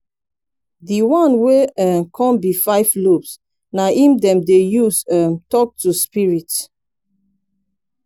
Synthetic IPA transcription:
diwãnweɛmkʰɔ̃mbifaɪvlops | naʔĩmdɛ̃mdejusɛmtɔk̚tuspiɹit

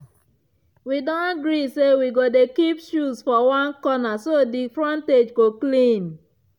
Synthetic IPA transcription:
widɔ̃naɡɹisewiɡodekipʃusfɔwãnkɔnasodifɹɔ̃nted͡ʒɡoklĩn

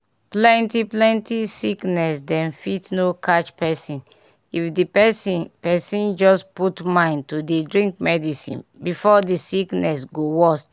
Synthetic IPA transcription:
plɛ̃ntiplɛ̃ntisiknɛsdɛ̃nfitnokʰat͡ʃpɛsĩn | ifdipɛsipɛsĩnd͡ʒɔsputmãɪ̃ntudedɹĩŋk̚mɛdisḭ̃nbifɔdisiknɛsɡowɔst

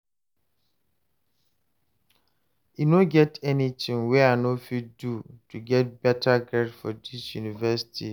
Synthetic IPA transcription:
inoɡɛtʰɛnitʰɪ̃ŋwɛanofidutʰuɡɛt̚bɛtʰaɡɹɛdfɔdisjunivɛsi̥tʰi

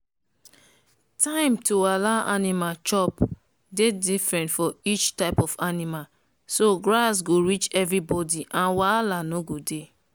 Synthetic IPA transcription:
tʰãɪ̃mtoalaʔanimat͡ʃɔp | dedifɹɛ̃ntfɔit͡ʃtaɪpɔfanima | soɡɹasɡoɹit͡ʃɛvɹibɔdiʔãnwalanoɡode

